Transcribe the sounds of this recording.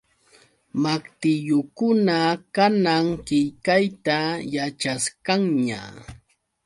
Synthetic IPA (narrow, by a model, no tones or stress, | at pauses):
makt̪ɪjʊkʊnakanaŋkɪjkajt̪ajat͡ʃaskaŋɲa̰